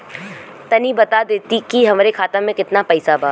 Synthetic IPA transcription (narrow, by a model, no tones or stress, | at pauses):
t̪ɐnibɐt̪ad̪eːt̪ikiɦɐmɾekʰaːt̪ãmẽkɪt̪napɛːsabʱaː